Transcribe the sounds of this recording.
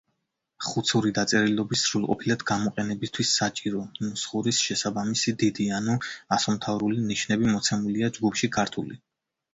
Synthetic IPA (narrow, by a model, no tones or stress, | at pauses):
χut̪sʰuɾid̪at̪sʼɛɾilˠɔbisːɾulˠqʼɔ̰pʰilad̪̥ɡamɔqʼɛnɛbist̪ʰwisat͡ʃʼiɾɔnusχuɾisʃɛsabamisid̪id̪ianuasɔmt̪ʰavɾuliniʃnɛbimɔt̪sʰɛmuliad͡ʒɡupʰʃikʰaɾt̪ʰuli